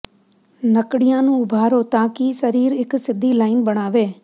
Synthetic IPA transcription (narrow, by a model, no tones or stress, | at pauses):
nəkɽɪjãːnũːʊbʱaːɾoːt̪ãːkisəɾiːɾɪksɪd̪ʱiːlaːɪnbəɽ̃aːʋeː